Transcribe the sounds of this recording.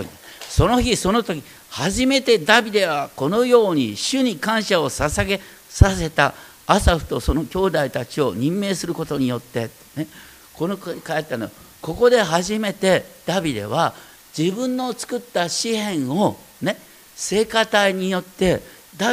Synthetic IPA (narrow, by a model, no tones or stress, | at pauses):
so̞no̞çiso̞no̞t̪o̞kʲi | haʑime̞t̪e̞d̪abʲid̪e̞βako̞no̞jo̞ːɲ̟iɕɨɲ̟ikãɰ̃ɕao̞sasaɡe̞ | sase̞t̪aː | saɸɯ̟̥t̪oso̞no̞kʲo̞ːd̪ait̪at͡ɕio̞ɲ̟ĩmːe̞ːsɨɾɯ̟kot̪o̞ɲ̟ijo̞t̪ːe̞t̪ | ne | ko̞nokkaet̪ːanoa | ko̞ko̞d̪e̞ɦaʑime̞t̪e̞d̪̥abʲid̪e̞̰βa | d͡ʑibɯ̟̃nːo̞t͡sɨ̥kɯ̟t̪ːaɕihẽ̞ɰ̃o̞ | ne̞ | se̞ːkat̪aiɲ̟ijo̞t̪ːe̞ | d̪a